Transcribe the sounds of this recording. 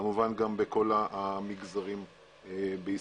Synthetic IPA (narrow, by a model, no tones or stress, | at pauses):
amuvanɡambeko̞laʔmiɡzaʁim | ebei